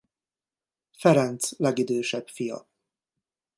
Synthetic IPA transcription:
fɛɾɛnt̪slɛɡid̪øːʃɛbfijɒ̰

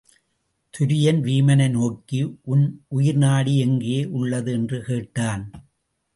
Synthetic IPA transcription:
t̪ʰʊɾɪjɐnʋiːmɐnɐɪnoːkːiʔʊnʔʊjɪɾnaːɽiɛŋɡeːʔʊɭːɐðɯɛndrɯkeːʈːaːn

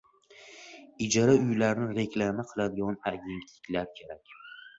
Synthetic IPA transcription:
ɪd͡ʒaɾaʊjlaɾnɪɾe̞kʲʰlamaqʰɨlˠad̪ɪɡɒnaɡʲe̞nt̪ʰlɪkʲlaɾkʲʰe̞ɾakʲ

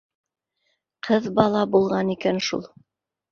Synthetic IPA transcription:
qʰɤðbɑlˠɑbulˠʁɑnikænʃṵlˠ

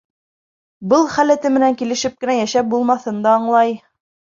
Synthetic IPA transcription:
bɤlˠχælæ̆t̪ɘmɘ̆næŋkilɘ̆ʃɘp̚kɘ̆næjæʃæp̚bulˠmɑθɤnd̪ɑɑɴlˠɑj

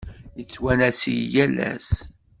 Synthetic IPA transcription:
jət͡sːwænæsijjælæ̰s

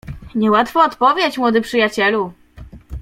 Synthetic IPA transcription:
ɲɛwat̪fɔːt̪pɔvʲjɛt͡ɕmwɔd̪ɘpʂɘjat͡ɕɛlu

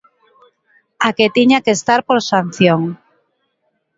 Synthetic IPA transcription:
aket̪iɲakest̪aɾpoɾsan̟θjoŋ

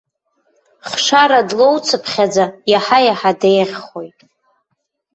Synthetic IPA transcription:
χʂaɾadlo̞wt͡sʰɨpʰχʲad͡zajaħajaħadejʁʲχo̞jtʼ

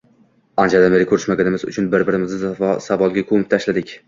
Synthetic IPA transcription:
and͡ʒad̪aneɾɪkʰɵɾɪʃmaɡʲanɪmɪzʊ̰t͡ʃʰʊnbɪɾbɪɾɪmɪzsavɒlˠɡʲakʰomɪp̚t̪ʰaʃlad̪ɪkʲ

